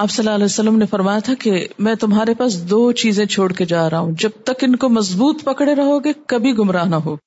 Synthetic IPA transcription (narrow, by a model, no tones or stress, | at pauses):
aːbsɐlːaɐlɛsɐlːəmnefɐɾmaːjat̪ʰakemɛ̃ːt̪ʊmɦaːɾepaːsd̪oːt͡ʃiːzẽt͡ʃʰoːɽked͡ʒaːɾɐɦũd͡ʒɐb̚t̪ɐkɪnkomɐzbuːt̪pɐkɽeɾɐɦoːɡekɐbʱiɡʊmɾaːɦnɐɦoː